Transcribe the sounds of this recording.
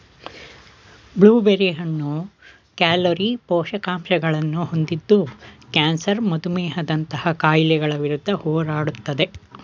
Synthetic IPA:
bɭuːbeɾiɦɐnːu | kaːloɾipɔːʃɐkaːmʃɐɡɐɭɐnːuhond̪id̪ːukaːnsɐɾmɐd̪umɛːɦɐd̪ɐnt̪ɐhɐkaːjlɛɡɐɭɐʋiɾud̪ʱːɐhɔːɾaːɽut̪ːɐd̪e

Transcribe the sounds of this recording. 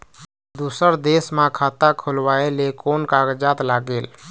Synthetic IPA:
d̪usəɾd̪esmãkʰat̪akʰolwaelekonkaɡəd͡ʒat̪laɡeːl

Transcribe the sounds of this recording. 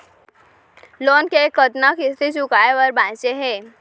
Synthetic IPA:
lonkekət̪nakist̪it͡ɕukajeʋəɾbãjt͡ɕeɦe

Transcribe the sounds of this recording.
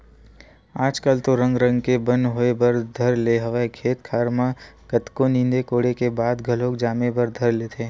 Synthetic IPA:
aːd͡ʒkalt̪oɾə̃ŋɡɾə̃ŋɡkebə̃nɦoebəɾd̪ʱɐɾleɦɐʋkʰeːt̪kʰaːɾmakət̪konĩnd̪ekoːɽekebaːd̪ɡʱɐloːkd͡ʒaːmebɐɾd̪ʱɐɾlet̪ʰeː

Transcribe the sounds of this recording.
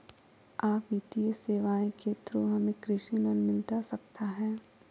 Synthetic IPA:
aːpiːt̪ijeseːʋaːẽkʰeːt̪ɾoɦɐmẽkɾɪʃinɔnmɪlt̪asɐk̚t̪aɦɛː

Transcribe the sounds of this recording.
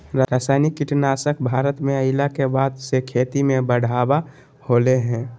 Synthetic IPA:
ɾaɾaːsaːɪnɪkːɪʈnaːsəkbʱaːɾət̪mẽəɪlakebaːd̪sekʰeːt̪imẽbəɽ̤ʱaːba | hoːleɦɛ̃ː

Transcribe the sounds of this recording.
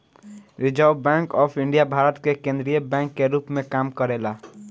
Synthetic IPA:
ɾid͡ʒaubɛ̃ŋkɔpʰiɳɖijabʱaɾət̪kekẽnd̪ɾijebɛ̃ŋkːeɾupmekamkəɾela

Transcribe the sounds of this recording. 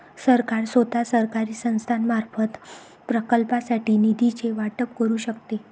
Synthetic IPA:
səɾkaɾsʋət̪asəɾkaɾiːsə̃w̃st̪ʰanmaɾfət̪ | pɾəkəlpasaʈiːnid̪it͡seʋaʈəp̚kəɾuːɕək̚t̪e

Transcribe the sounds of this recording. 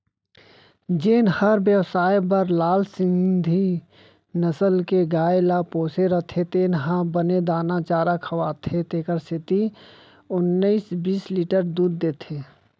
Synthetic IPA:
d͡ʒeːnhəɾbjəwsaːjbəɾlaːlsɪ̃nd̪ʱi | nəsəlkeɡaːelapoːseɾət̪ʰet̪eːnɦãbəned̪aːnat͡ʃaːɾakʰəʋaːt̪ʰet̪eːkəɾsɪt̪i | ʊnːəisbiːsliːʈəɾd̪uːɾd̪eːt̪ʰeː

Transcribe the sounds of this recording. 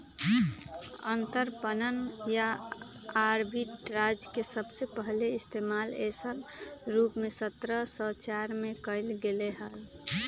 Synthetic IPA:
ənt̪əɾpənənja | aɾbiʈɾad͡ʒjkesəbsepəɦleɪst̪eːmalesənɾuːpmesət̪ɾəsɔt͡ʃaɾmẽkəɪlɡeleɦəl

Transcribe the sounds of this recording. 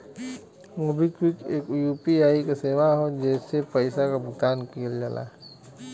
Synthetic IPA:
mobikwikeːkjuːpiaːikaseːʋaɦod͡ʒɛːsepəɪsakabʱʊt̪aːnkiːld͡ʒala̰ː

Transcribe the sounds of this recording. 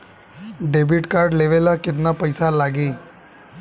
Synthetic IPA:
ɖebiʈkaɾɖleʋelaket̪napəjsalaɡi

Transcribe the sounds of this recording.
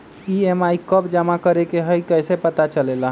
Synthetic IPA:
iemaikəbd͡ʒəmakəɾekeɦəjkəjsepət̪at͡ʃəlela

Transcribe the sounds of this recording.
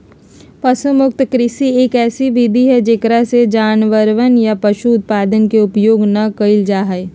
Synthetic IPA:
pɐsəmʊk̚t̪kɾɪsieːkɛːsiʋid̪ʱiɦɛd͡ʒɪkɾased͡ʒaːnʋəɾʋənjapɐʃuʊt̪̚paːd̪ənkeʊpjoːɡnɐkɐɪld͡ʒaːɦə

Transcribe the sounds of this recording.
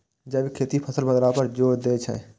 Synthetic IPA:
d͡ʒəbikʰeːt̪ipʰəsəlbəd̪ɾapəɾd͡ʒoːɾd̪eːt͡ʃʰɛ̰̃ː

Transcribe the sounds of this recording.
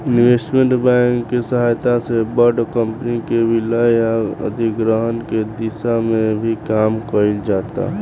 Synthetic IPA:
inʋesʈmeɳʈbãŋkːesəɦajt̪asebəɾɖkəmpənikebiləjaə̰d̪ʱikɾəɦənked̪isamebʱikamkəild͡ʒat̪a̰

